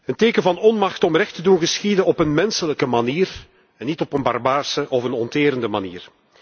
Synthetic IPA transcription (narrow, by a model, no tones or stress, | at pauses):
ənteːkənvɑnɔnmɑxtɔmrɛxtədunɣəsxidəɔpənmɛnsələkəmaniːr | ɛnːitɔpənbɑrbaːrsəʔɔfənɔnteːɾəndəmaniːr